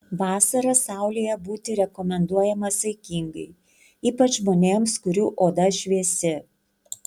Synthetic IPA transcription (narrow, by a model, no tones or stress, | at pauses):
ʋɑːsɐɾɐsɑˑʊlʲiːjɛbuːt̪ʲɪɾʲɛkɔmʲɛnd̪uɔjɛmɐsɐɪkʲiŋɡɐɪ | iːpɐt͡ʃmoːnʲeːmskʊɾʲuːʔoːd̪ɐʃʲʋʲiɛsʲɪ